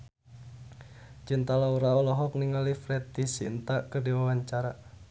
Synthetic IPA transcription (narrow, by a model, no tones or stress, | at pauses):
d͡ʒint̪alauɾaɔlɔɦɔk̚niŋalifɾɛt̪isḭnt̪akərdiwawaɲt͡ʃaɾa